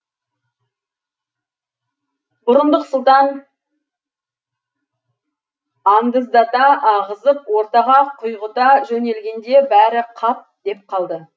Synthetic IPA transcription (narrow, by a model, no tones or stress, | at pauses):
bʊɾənd̪əqsʊlˠt̪ɑn | ɑnd̪əzd̪ɑt̪ɑɑʁəzəp̚wo̞ɾt̪ɑʁɑqʰʊjʁət̪ɑʒɵne̞lɡʲe̞nd̪e̞bæɾɪqʰɑp̚d̪̥e̞p̚qʰɑlˠd̪ə